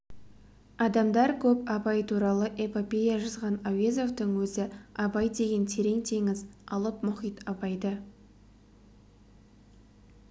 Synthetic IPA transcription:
ɑd̪ɑmd̪ɑɾkʲʰɵpɑpɑjt̪ʰuɾɑlˠəʔepopʲe̞jaʒɑzʁɑnawezo̞ft̪əŋwɵzɪɑbɑjd̪e̞ɡʲe̞nt̪ʰe̞ɾe̞ŋt̪ʰe̞ŋɪzɑlˠəpmʊχijt̪ɑpɑjd̪ə

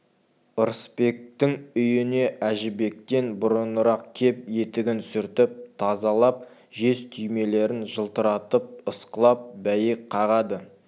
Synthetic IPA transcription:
əɾspe̞k̚t̪ɪŋʏjɪne̞ʔæʒɪbe̞k̚t̪e̞nbʊɾənəɾɑq̚kʲʰe̞p̚je̞t̪ɪɡʲɪnsʏɾt̪ɪp̚t̪ʰɑzɑlˠɑp̚ | ʒe̞st̪ʰʏjme̞le̞ɾɪnʒəlˠt̪əɾɑt̪əp̚əsqəlˠɑp̚bæjɪk̚qʰɑʁɑd̪ə

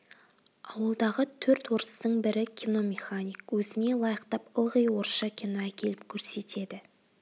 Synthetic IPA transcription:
ɑwəlˠd̪ɑʁət̪ʰɵɾt̪wo̞ɾəst̪əɴbɪɾɪkʲʰino̞mʲeχanijkwɵzɪne̞lˠɑjəqt̪ɑpəlˠʁəjwo̞ɾʃɑkʲʰinoækʲe̞lɪp̚kʲʰɵɾse̞t̪e̞d̪ɪ

